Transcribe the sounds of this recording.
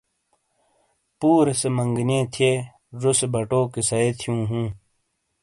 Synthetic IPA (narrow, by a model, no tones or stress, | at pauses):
puːɾesemɐŋɡnẽːt̪ʰieː | ɾusebɐʈoːkesɐeːt̪ʰijũːɦũː